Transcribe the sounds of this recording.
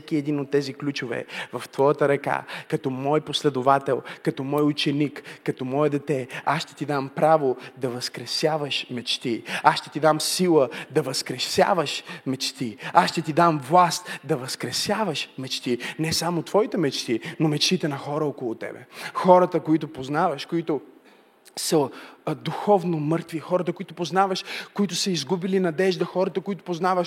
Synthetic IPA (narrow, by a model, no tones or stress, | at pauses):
kiɛd̪inot̪ːɛziklʲut͡ʃʊvɛ̰vɐft̪vɔjət̪əɾɐka̰kɐt̪ɔmɔjposlɛd̪ʊvat̪ɛlˠkɐt̪ɔmɔjʊt͡ʃɛnikːɐt̪ɔmɔɛd̪ɛt̪ɛasʃt̪ɛ̥t̪id̪ampɾavod̪ɐvɐskɾɛsjavəʃmɛt͡ʃt̪iasʃt̪ɛ̥t̪id̪amsilˠəd̪ɐvɐskɾɛsja̰vəʃmɛt͡ʃt̪iasʃt̪ɛt̪id̪amvlˠast̪d̪ɐvɐskɾɛsjavəʃmɛt͡ʃt̪inɛsamot̪v̥ɔit̪ɛmɛt͡ʃt̪inomɛt͡ʃt̪it̪ɛnɐxɔɾəɔkolˠʊt̪ɛ̰bɛ̰xɔɾət̪əkoit̪̬ʊpoznavəʃkoit̪ʊ | səd̪uxɔvnomɤɾt̪vixɔɾɐt̪əkoit̪ʊpoznavɐʃkoit̪ʊsəizɡubilinɐd̪ɛʒd̪ɐxɔɾɐt̪əkoit̪ʊ̥poznavəʃ